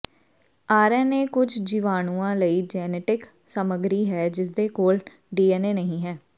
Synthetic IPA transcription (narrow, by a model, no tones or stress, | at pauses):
aːɾɛːneːkʊd͡ʒd͡ʒiːʋaːnũːãːləiːd͡ʒɛːneːʈɪk | səməɡɾiːɦɛːd͡ʒɪsd̪eːkoːl | ɖiːɛːneːnəɦĩːɦɛː